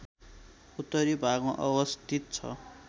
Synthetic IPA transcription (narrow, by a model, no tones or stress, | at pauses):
ut̪ːʌɾibʱaɡõʔʌbʌst̪ʰit̪̚t͡sʰʌ̰